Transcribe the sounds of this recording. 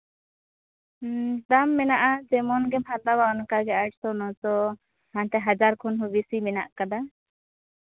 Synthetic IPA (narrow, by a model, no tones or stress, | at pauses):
d̪amːɛnaʔad͡ʒɛmɔnɡɛmhat̪abaɔnkaɡɛʔaʈsɔnɔtɔ | hant̪ɛɦad͡ʒaɾkʰɔnɦubisimɛnaʔkad̪a